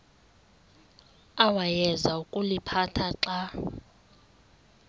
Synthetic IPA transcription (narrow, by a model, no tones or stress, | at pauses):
awajɛzaukʼulipʰatʰaǁa